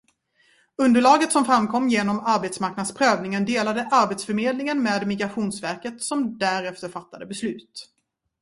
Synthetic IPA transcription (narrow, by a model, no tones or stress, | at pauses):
ɵnd̪əɭɑːɡət̪sɔmfɾamkʰɔmːjeːnɔmaɾbet̪smaɾknad̪spʰɾøːvnɪŋənd̪eːlad̪əʔaɾbet̪sfœɾmeːd̪lɪŋənmeːd̪mɪɡɾaɧuːnsvæɾkət̪sɔmd̪æɾɛft̪əɾfat̪ːad̪əbɛslʉ̟ːt̪